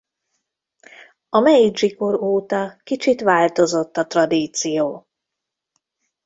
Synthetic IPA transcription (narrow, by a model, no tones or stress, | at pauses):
ɒmɛjid͡ʒiko̞ɾoːt̪ɒkit͡ʃit̪ʋaːlt̪o̞zo̞t̪ːɒt̪rɒd̪iːt̪sijoː